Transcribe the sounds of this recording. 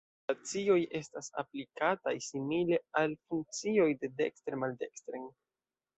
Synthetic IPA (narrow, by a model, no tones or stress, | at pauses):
at͡sio̞je̞stasa̰plikatajsimile̞alfuŋk̚t͡sio̞jde̞dekstɾemalde̞kstɾeŋ